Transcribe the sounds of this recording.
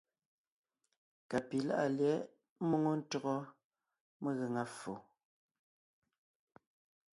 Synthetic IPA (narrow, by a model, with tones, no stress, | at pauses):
ka˨pi˨la̰˦ʔa˨ljɛ˨˦ | mo˦ŋo˦n̩˦tɔ˨ɣɔ˦ | mə˦ɣe˨ŋa˦fo˨